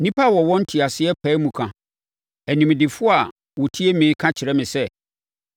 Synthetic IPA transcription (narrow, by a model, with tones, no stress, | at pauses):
nĩ˦pʰa˦˨wɔ˨wɔ̃˦n̩˦tʰɪ˨a˨sɪ˦ɛ˦pʰɛ˨˦mũ˨kʰã˨ | æ˨nĩ˨m˨dɪ˨fʊ˦a˨ | wɔ˨tʰi˦e˦mĩ˨˦kʰã˦t͡ɕʰɪ˨ɾɛ˦mɪ̃˨sɛ˦